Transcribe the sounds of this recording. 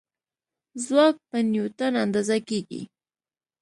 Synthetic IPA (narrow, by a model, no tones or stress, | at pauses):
zwak̚panjut̪anand̪azakikḭ